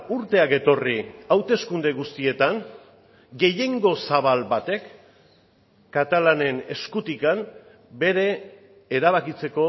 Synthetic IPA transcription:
uɾt̪e̞ake̞t̪o̞riawt̪e̞skund̪e̞ɣ̞ust̪ie̞t̪aŋ | ɡe̞je̞ŋɡo̞saβ̞albat̪e̞k | at̪alane̞ne̞skut̪ikam | be̞ɾe̞ː | ɾaβ̞akit͡se̞ko̞

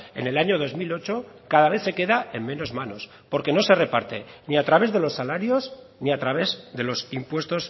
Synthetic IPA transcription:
e̞̰ne̞laɲo̞ð̞o̞zmilo̞t͡ʃo̞kaðaβ̞e̞θse̞ke̞ðae̞mmẽ̞no̞zmano̞s | po̞ɾke̞no̞se̞re̞paɾt̪e̞niat̪ɾaβe̞zðe̞lo̞sːalaɾjo̞z | niat̪ɾaβe̞zðe̞lo̞simpwe̞st̪o̞s

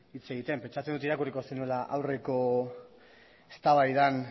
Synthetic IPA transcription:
it͡se̞ɣit̪e̞mpe̞nt͡ʃat͡send̪ut̪iɾakuriko̞senue̞laʔawre̞ko̞ | est̪aβajðan

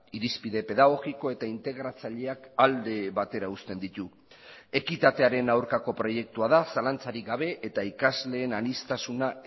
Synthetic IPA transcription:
iɾispiðe̞pe̞ðaɣ̞o̞ɣiko̞e̞t̪aint̪e̞ɣ̞ɾat͡saʎe̞akald̪e̞βat̪e̞ɾaust̪e̞nd̪it̪u | e̞kit̪at̪e̞aɾe̞nawɾkako̞pɾo̞je̞k̚t̪uaðasalant͡saɾiɡaβe̞ʔet̪aikazle̞ːnanist̪asuna

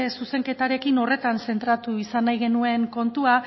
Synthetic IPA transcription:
suse̞ŋke̞t̪aɾe̞kino̞re̞t̪anse̞nt̪ɾat̪uisanːajɣ̞e̞nue̞ŋko̞nt̪ua

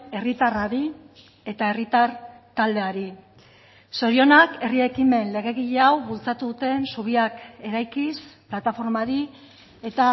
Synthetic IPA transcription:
e̞rit̪araɾi | e̞t̪ae̞rit̪aɾt̪ald̪e̞aɾi | so̞ɾio̞nake̞rie̞kime̞nle̞ɣe̞ɣiʎe̞awβult͡sat̪uðut̪e̞nsuβ̞iake̞ɾajkisplat̪afo̞ɾmaɾi | e̞t̪a

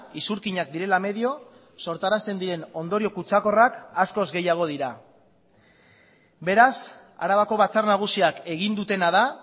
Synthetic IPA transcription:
isuɾkiɲak̚d̪iɾe̞lame̞ðio̞ | so̞ɾt̪aɾast̪e̞nd̪iɾe̞no̞nd̪o̞ɾio̞kut͡sako̞rakasko̞zɡe̞jaɣ̞o̞ð̞iɾa | be̞ɾas | a̰ɾaβako̞βat͡sarnaɣ̞usiake̞ɣ̞ind̪ut̪e̞naða

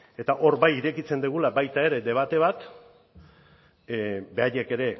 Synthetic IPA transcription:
e̞t̪aʔo̞ɾbajiɾe̞kit͡se̞nd̪eɣ̞ulabajt̪ae̞ɾe̞d̪e̞β̞at̪e̞β̞at̪ | be̞aʎe̞ke̞ɾe̞

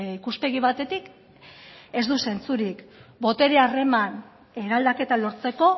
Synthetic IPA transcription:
ikuspe̞ɣ̞iβat̪e̞t̪ik | e̞zd̪use̞nt͡suɾikbo̞t̪e̞ɾeare̞man | e̞ɾald̪ake̞t̪alo̞ɾt͡se̞ko̞

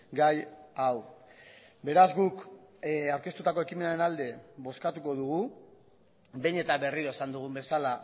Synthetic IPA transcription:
ɡajaw | be̞ɾazɡuk | awɾke̞st̪ut̪ako̞e̞kime̞naɾe̞nald̪e̞βo̞skat̪uko̞ðuɣu | be̞jɲe̞t̪aβe̞riɾo̞esand̪uɣ̞umbe̞sala

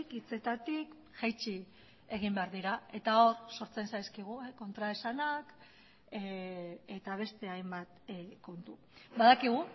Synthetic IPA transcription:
kit͡se̞t̪at̪ik | ʝajt͡ʃi | e̞ɣimbe̞aɾðiɾae̞t̪ao̞ɾso̞ɾt͡se̞nsajskiɣ̞ueko̞nt̪ɾae̞sanak | e̞t̪aβ̞e̞st̪e̞ajmbat̪ko̞nt̪u | baðakiɣ̞u

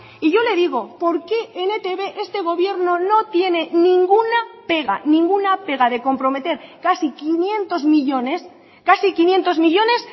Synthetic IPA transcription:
iʝo̞le̞ðiɣ̞o̞po̞ɾke̞enet̪eβe̞ʔest̪e̞ɣ̞o̞βje̞ɾno̞no̞t̪je̞ne̞nĩŋɡunape̞ɣa̰nĩŋɡunape̞ɣ̞aðe̞ko̞mpɾo̞me̞t̪e̞ɾkasikinjẽ̞nt̪o̞zmiʎo̞nes | kasikinje̞nt̪o̞zmiʎo̞ne̞s

